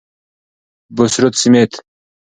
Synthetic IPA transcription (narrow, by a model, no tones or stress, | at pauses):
bosɾot̪simet̪